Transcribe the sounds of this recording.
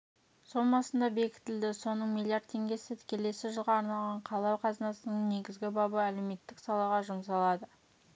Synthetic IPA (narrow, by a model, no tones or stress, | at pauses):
so̞ɴbɑsənd̪ɑbe̞kʲɪ̥t̪ɪld̪ɪso̞nəɴmʲilʲːˠijaɾd̪tʰːe̞ŋɡʲe̞sɪt̪ʰɪ̥kʲʰe̞le̞sɪʒəlˠʁɑːɾnɑlˠʁɑɴqʰɑlˠɑwqʰɑzənɑsənəɴne̞ɡʲɪzɡʲɪbɑbəæle̞wme̞t̪ːɪksɑlˠɑʁɑʒʊms̬ɑlˠɑd̪ə